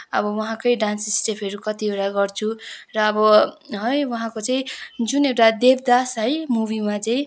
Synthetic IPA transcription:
ʌ̰bʌwʌɦãkʌjɖansisʈepʰʌɾukʌt̪ieɽaɡʌrt͡sʰurʌːbʌɦʌjwʌɦãkot͡saĩd͡zunewʈad̪eb̚d̪asɦʌjmubimat͡sʌĩ

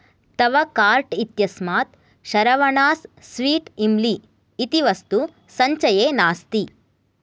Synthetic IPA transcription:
t̪ɐʋɐkaːɾʈit̪jɐsmaːt̪ | ʃɐɾɐʋɐɳaːsːʋiːʈimliː | t̪iʋɐst̪u | sɐɲt͡ʃɐjeːnaːst̪i

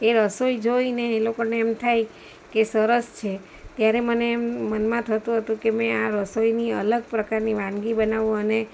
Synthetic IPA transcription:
eɾəsoid͡ʒoineːlokoneːmt̪ʰaj | kesəɾəst͡ʃʰe | t̪jaɾeməneːmːənmãt̪ʰət̪ũɦət̪ũkemɛ̃aɾəsoiniələɡ̚pɾəkaɾniʋãnɡibənaʋũəne

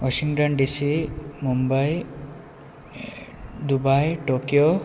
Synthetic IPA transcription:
wɔsiŋʈɔnɖisimumbaj | d̪ubajʈokjo

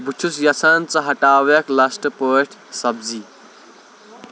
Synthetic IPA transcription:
but͡ʃʰusjɐsʰaːnt͡sɐɦɐʈaːwɐklɐsʈɨpəːʈʰsɐbd͡zi

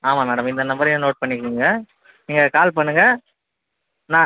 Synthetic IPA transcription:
aːmaːmɛːɽɐmɪnd̪ɐnɐmbɐɾɪ̃noːʈ̚pɐɳːɪkːɾiːŋɡɐ | niːŋɡɐkaːlpɐɳːɯŋɡɐ | nãː

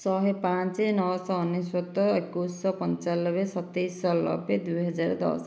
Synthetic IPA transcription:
sɔɦepãnt͡ʃenɔsɔːniswɔt̪ːɔekusːɔpɔnt͡ʃalːɔbesɔt̪ːejsɔlɔ̰bed̪ujɦɔd͡ʒaɾɔd̪ɔ̰s

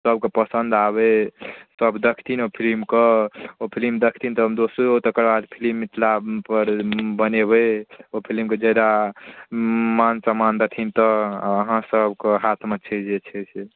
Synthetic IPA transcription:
səb̚kepəsənd̪aβesəbd̪əkʰt̪ʰinopʰilimkəopʰilimd̪əkʰt̪ʰint̪ɔmd̪osot̪əkəɾbad̪pʰilimit̪lapəɾbənebeopʰilmked͡ʒed̪a | mansəmand̪ət̪ʰint̪ɔːɦãsəbkeɦat̪ʰmət͡ʃʰɛd͡ʒet͡ʃʰɛt͡ʃʰe

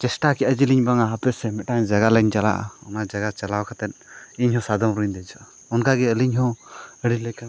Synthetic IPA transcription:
t͡ʃɛsʈakɛʔad͡ʒiliɲbaŋaɦapɛsɛmɛʈaŋd͡ʒaɡalɛɲt͡ʃala̰ʔa̰ɔnad͡ʒaɡat͡ʃalawkʰat̪ɛt̪̚iɲɦɔ̃sad̪ɔmɾuɲd̪ɛd͡ʒɔʔa | ɔnkaɡɛəliɲɦɔ̃əɽiləka

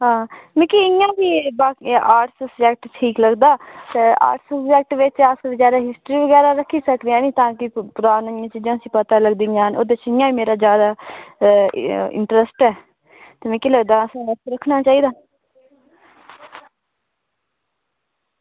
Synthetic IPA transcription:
ɦãːmẽːkiɪjãːbiːbaːkaːʈsəsd͡ʒɛːk̚ʈʈʰiːkləɡd̪aːt̪eːa̰ːʈsəsd͡ʒɛːk̚ʈʋɪt͡ʃaːskəɾzjaːd̪aːɦɪsʈɾiːʋəɡɛːɾaːɾəkʰːiːsəkd̪eãːnĩːt̪ãːkɪpʊɾaːnãːɪjãːt͡ʃiːd͡ʒãːəsĩːpət̪aːləɡd̪iːãːno̰ːd̪et͡ʃɪjãːiːmeːɾaːd͡ʒjaːd̪aː | ɪ̰ɳʈɾəsʈɛː | t̪əmẽːkiləɡd̪aːəsːnəsɾəkʰnaːt͡ʃaːiːd̪aː

